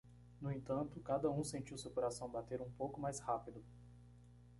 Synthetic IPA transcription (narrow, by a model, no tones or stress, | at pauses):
nʊẽnt̪ɐ̃nt̪ʊkad̪ɐũsẽnt͡ʃiwsewkoɾasɐ̃w̃bat̪eɾũpowkʊmajshapid̪ʊ